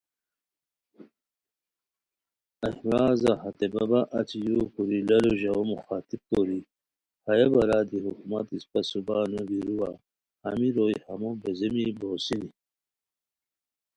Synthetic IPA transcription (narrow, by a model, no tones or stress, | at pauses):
ɐhɾaːzahɐt̪ebɐbaʔɐt͡ɕijukuɾilɐloʑaomuxaːt̪ib̚koɾi | hɐjabɐɾaːd̪iɦukumat̪ispɐsubanubiɾuwa | hɐmiɾojhɐmobezemiboːsini